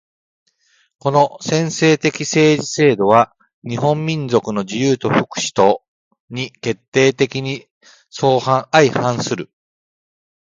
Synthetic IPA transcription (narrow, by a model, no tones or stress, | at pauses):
ko̞no̞sẽ̞ɰ̃se̞ːt̪e̞kʲise̞ːʑise̞ːd̪o̞βa | ɲ̟iɦõ̞mːʲĩnd͡zo̞kɯ̟no̞d͡ʑijɯːt̪o̞ɸɯ̟kɯ̟̥ɕi̥t̪o̞ | ɲ̟ike̞t̪ːe̞ːt̪e̞kʲiɲ̟i | so̞ːhãɰaihãsɨɾɯ̟